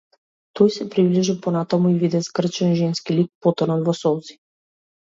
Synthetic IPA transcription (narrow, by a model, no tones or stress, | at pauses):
t̪ɔjsɛpɾibliʒipɔnat̪amuivid̪ɛsɡr̩t͡ʃɛnʒɛnskilik̚pɔt̪ɔnɔnvɔsɔlˠzi̥